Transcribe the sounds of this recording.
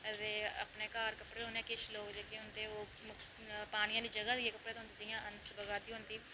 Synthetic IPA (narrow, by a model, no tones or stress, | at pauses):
t̪eːə̰pneːkaːɾkəpɽeːɦonẽːkɪʃloːkd͡ʒeːkeːɦʊnd̪eːoː | m | paːɽ̃ɪjãːliːd͡ʒəɡaːd̪ijẽːkəpːɽeːt̪oʊnd̪iːd͡ʒɪjãːʔənsbəɡaːt̪iːɦʊnd̪iː